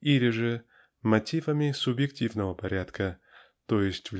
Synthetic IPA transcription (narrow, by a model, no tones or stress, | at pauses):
ilʲɪʐɨ | mɐtʲivəmʲɪsʊbjɪktʲivnəvəpɐɾʲat̪kʰə | t̪ojɪsʲtʲvlʲ